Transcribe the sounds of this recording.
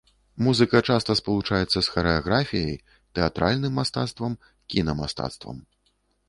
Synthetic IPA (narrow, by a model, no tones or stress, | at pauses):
muzɨkɐt͡ʂast̪ɐspɐlˠut͡ʂajɛt̪sːɐsxɐɾɛaɣɾafʲijɐj | t̪ɛat̪ɾalʲnɨmːast̪at̪st̪vɐm | kʲinɐmast̪a̰t̪st̪vɐ̰m